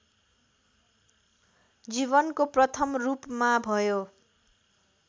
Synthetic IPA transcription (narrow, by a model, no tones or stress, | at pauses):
d͡ziβʌnkoprʌt̪ʰʌmrupmabʱʌjo